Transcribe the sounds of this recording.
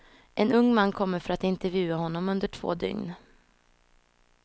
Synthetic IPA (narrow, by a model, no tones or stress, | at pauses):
ʔɛnɵŋːmanːkʰɔmːəɾfœɾat̪ɪnt̪ɛɾvjʉ̟ːahɔnːɔmɵnd̪əʈʰv̥o̰ːd̪ʏ̰ŋn